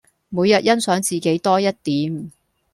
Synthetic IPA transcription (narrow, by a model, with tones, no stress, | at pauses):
muː˨˧jːɐ˨t̚jɐ˥nsœː˨˥ŋt͡siː˨ke˨˥jt̪ɔː˥jɐ˥t̚t̪iː˨˥m